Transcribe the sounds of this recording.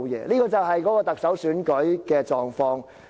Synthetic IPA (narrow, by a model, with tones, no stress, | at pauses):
jɛ̰ː˨˧liː˥kɔː˧t͡sɐ˨wɦɐ˨jkɔː˨˥kɔː˧t̪ɐ˨k̚sɐ˨˥wsyː˨˥nkɵ˨˥ɥkɛː˧t͡sɔː˨ŋfɔː˧ŋ